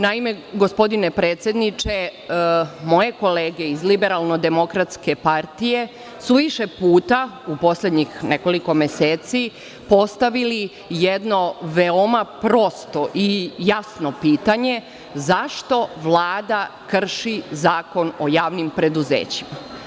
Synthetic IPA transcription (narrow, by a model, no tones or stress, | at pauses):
naime̞ɡo̞spo̞d̪inepɾeːt̪sje̞d̪nit͡ʃe | mo̞je̞ko̞leːɡe̞izlibe̞ɾalˠno̞d̪e̞mo̞kɾat̪ske̞paɾt̪ije̞ | suʋiʃe̞puːt̪a | upo̞sled̪ɲixne̞ko̞liko̞meseːt̪si | po̞st̪aʋili | jed̪no̞ʋeomapɾo̞st̪o̞ʔijasno̞piːt̪aɲe̞ | zaʃt̪o̞ʋlˠaːd̪akr̩ʃizaːko̞no̞jaːʋnimpɾe̞d̪uzḛːt͡ɕima